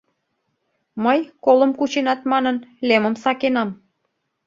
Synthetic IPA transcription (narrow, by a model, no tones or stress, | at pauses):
məjkolə̆mkut͡ɕenɑt̪mɑnənleməmsɑkenɑm